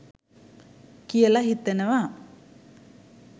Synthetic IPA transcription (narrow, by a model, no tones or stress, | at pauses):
kijəlaɦit̪ːenəʋa